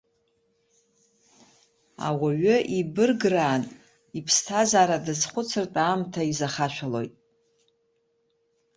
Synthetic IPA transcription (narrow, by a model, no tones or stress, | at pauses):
a̰waɥʏʔibɨrɡraːn | ipʰstʰazaːɾadɨzχʷʊt͡sʰɨrtʼaːmtʰaizaχaʃʷᶣalo̞̰jtʼ